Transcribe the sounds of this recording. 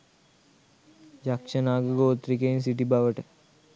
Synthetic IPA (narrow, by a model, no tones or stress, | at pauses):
d͡ʒakʃənaːɡəɡoːt̪ɾikeins̬iʈibaʋəʈə